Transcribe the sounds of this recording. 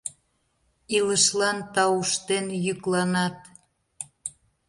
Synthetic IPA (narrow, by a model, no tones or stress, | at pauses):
iləʃlɑnt̪ɑuʃt̪enjyklɑnɑt̪